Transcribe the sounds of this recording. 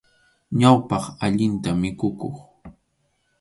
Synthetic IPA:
ɲawpɑχaʎɪnt̪amɪkʊkoχ

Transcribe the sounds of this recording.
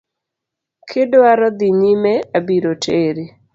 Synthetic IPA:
kʰɪdwaɾɔd̪iɲimɛabiɾotʰeɾi

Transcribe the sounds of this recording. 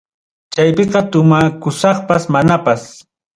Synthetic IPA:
t͡ʃajpeqɑt̪ʊmakʊsɑχpasmanapas

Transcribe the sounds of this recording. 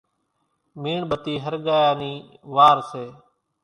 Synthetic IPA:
miːɳɓət̪iːɦəɾɠaːjaːniːʋaːɾseː

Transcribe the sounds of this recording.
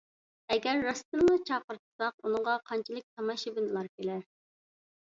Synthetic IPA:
ɛɡʲɛɾːɑst̪ɨnnɨt͡ʃʰɑːqəɾt̪ʰɨ̥sɑq̚unɨɴʁɑqʰɑnt͡ʃʰilˠɨk̚ʲt̪ʰɑmɑʃibɪnɨlˠɑɾkʲelɛɾ

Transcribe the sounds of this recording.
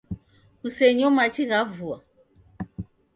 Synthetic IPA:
kusɛɲɔmat͡ʃiɣavua

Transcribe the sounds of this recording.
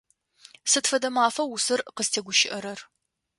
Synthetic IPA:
sɨtfɐdɐmaːfɐwusɨrqəztʰeːɡʷʊʃɪʔɐɾɐr

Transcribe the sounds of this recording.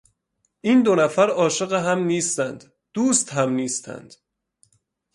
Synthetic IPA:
ʔiːnd̪onæfæɾɒːʃeɣeɦæmniːst̪ænd̪̥ | d̪̥uːst̪hæmniːst̪ʰæ̰nd̪̥

